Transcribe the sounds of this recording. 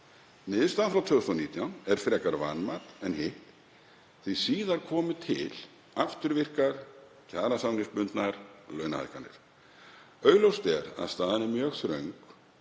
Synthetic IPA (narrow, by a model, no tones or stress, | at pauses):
nɪðst̪aðnfɾawt̪ʰvœʏsɔniːt̪jawnɛɾ̥fɾɛkaɾva̰nmat̪ɛnɦɪht̪ | θisiːðaɾ̥kʰɔːmʏt̪ʰɪ̰l | aft̪ʏɾvɪr̥kaɾ̥ | cʰaːɾasawnɪspʏnt̪naɾlœɥnaha̰kanɪ̰ɾ̥ | œːɥlowst̪ɛɾa̰ðst̪aːðanɪmjœɣθɾœɥŋk